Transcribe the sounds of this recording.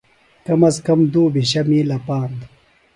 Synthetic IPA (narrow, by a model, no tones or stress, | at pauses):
kɐmɐskɐmd̪oːbiɕɐmilɐpaːnd̪